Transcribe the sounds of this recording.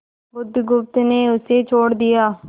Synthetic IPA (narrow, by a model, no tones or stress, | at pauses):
bʊd̪ɡʊp̚t̪neːʊseːt͡ʃʰoːɽd̪ijaː